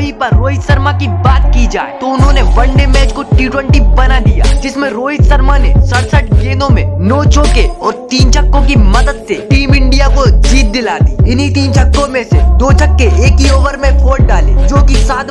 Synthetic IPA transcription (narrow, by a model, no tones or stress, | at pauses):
ɦipɐɾːoːɦisɐɾmakibaːt̪kid͡ʒa̰ːḛt̪oʊnɦõːneʋɐ̃ɳɖemɛːt͡ʃkoʈiːʈwə̃ɳʈibɐnad̪ija̰ːd͡ʒɪsmẽɾoːɦɪsɐɾmanesəɽsəʈɡeːnõmẽnoːt͡ʃoːkeɔːɾt̪iːnt͡ʃɐkːõkimɐd̪əd̪seʈiːmɪ̃ɳɖijakod͡ʒiːt̪̚d̪ɪlaːt̪iːɪnit̪iːnt͡ʃɐkːõmẽsed̪oːt͡ʃʰɐkːeeːkioːʋəɾmẽfʰoːʈ̚ɖaːlḛːd͡ʒoːkisaːt̪